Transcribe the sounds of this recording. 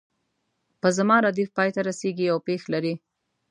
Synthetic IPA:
pəzamɑɾad̪ifpɑjt̪aɾaseɡiawpexlaɾi

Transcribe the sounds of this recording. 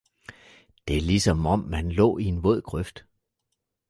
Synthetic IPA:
d̥e̝lisɒ̽mɒ̽mːænlɔ̰̽ːie̝nʋɔð̞̰ˠɡ̥ʁœfd̥

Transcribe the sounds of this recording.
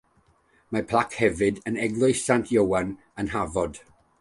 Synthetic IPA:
mapʰl̥ˠakhɛvɪdənɛɡlˠɔsantʰjəwan | ənɦavɔd̥

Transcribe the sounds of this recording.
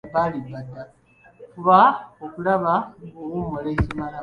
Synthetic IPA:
balibːadːa | kuβaokulaβaowumolecimala

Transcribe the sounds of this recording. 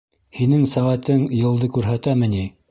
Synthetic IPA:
hinɘŋsæʁæt̪ɘŋjɤ̆lˠd̪ɤkʉɾɦæt̪æmɘ̆ni

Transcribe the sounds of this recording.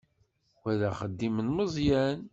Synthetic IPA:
wæðæχəd̪ːimənməzˤjæn

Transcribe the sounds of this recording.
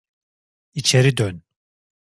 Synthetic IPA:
it͡ʃʰeɾid̪øn

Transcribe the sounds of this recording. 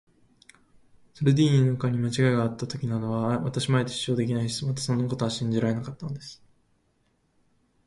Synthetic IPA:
soɾed̪ʲiːɲʲinakaɲ̟imat͡ɕiɡaeɡaːt̪ːat̪o̞kʲinad̪o̞βaβa̰t̪aɕimaet̪ei̥ːo̞ːd̪e̞kʲinaiɕi̥t͡somat̪ḁsõ̞nːakot̪o̞aɕĩɲ̟d͡ʑiɾaɾe̞nakat̪ːanod̪e̞sɨ̥

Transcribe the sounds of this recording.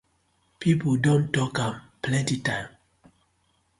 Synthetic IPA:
pʰipodõntɔkãm | plɛ̃ntitãɪ̃m

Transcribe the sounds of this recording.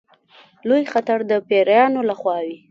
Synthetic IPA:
lojxat̪aɾd̪əpeɾajɑnolaxwɑwi

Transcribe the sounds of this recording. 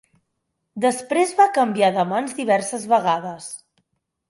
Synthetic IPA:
d̪əspɾezβakəmbiaðəmanzd̪iβ̞ɛɾsəzβəɣaðəs

